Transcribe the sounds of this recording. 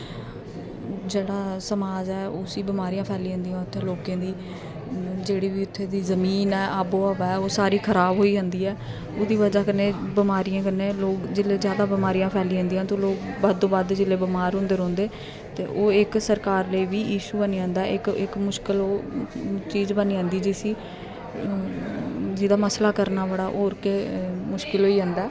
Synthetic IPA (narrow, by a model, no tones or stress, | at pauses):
d͡ʒeːɽaːsəmaːd͡ʒɛːʊsiːbɪmaːɾijãːpʰɛːliːɦə̃ːnd̪ijãːt̪ʰːeːloːkãːd̪iː | d͡ʒeːɽiːʋiːʊt̪ʰːeːd̪iːzəmiːnɛːʔaːboːaːʋɛːoːsaːɾiːkʰəɾaːbɦoːiːd͡ʒãːnd̪iːɛː | oːd̪iːʋəd͡ʒaːkənːeːbɪmaːɾijãːkənːeːloːkd͡ʒɪleːzjaːd̪aːbɪmaːɾiːjãːpʰɛːliːɦə̃ːnd̪ijãːt̪õːloːkbaːd̪̚t̪ːõːbaːd̪d͡ʒɪleːbɪmaːɾɦʊ̃nd̪eːɾɔ̃ːnd̪eː | t̪ḛːʔoːɪksəɾkaːɾləiːʋiːjiːʃuːbəniːãːnd̪aːɪkɪkmʊʃkɪloː | t͡ʃiːzbəniːãːnd̪iːd͡ʒisiː | d͡ʒɪd̪aːməslaːkəɾnaːbəɽaːʔoːɾkeːmʊʃkɪlɦoːiːãːnd̪aː